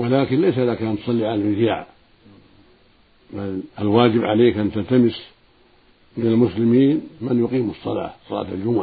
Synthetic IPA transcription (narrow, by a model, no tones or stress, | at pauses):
walaːkɪnlajsaʔɪðakʔant̪ʊ̥sˤɑlːiʕalalmɪzja̰ːʕ | mɪnalwaːd͡ʒɪbʕaleːkʔant̪alt̪amɪs | mɪnalmʊslɪmiːnmɪnjʊqiːmɨsˤːɑlɑ̰ːsˤɑla̰ːt̪ald͡ʒʊmʊʕa